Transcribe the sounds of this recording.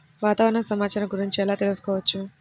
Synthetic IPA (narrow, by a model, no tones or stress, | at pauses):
ʋaːt̪aːʋɐɾɐɳɐsɐmaːt͡ʃaːɾɐmɡuɾiɲt͡ʃiɛlaːt̪e̞lusu̥kɔːʋɐt͡ʃːu